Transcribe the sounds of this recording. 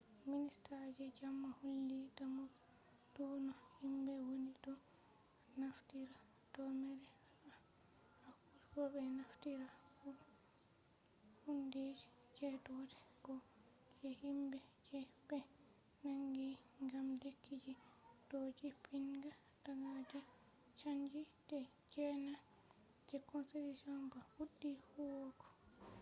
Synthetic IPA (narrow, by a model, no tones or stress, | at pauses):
ministad͡ʒɛd͡ʒamːahulːidamu | d̥unɔhimbɛwonidɔ | naftiɾa | tɔmɛɾɛ | a | akuɾbɔbɛnaftiɾahu | hunded͡ʒi | d͡ʒɛddɛɡ̥ɔ | kɛhimbɛkɛbɛ | naŋɡiŋɡamdetʰːid͡ʒid̥od͡ʒipʰinɡa | daɡad͡ʒɛ | t͡ʃand͡ʒidɛ | d͡ʒɛna | d͡ʒɛkɔnselisɔnbahudːihuwɔkɔ̥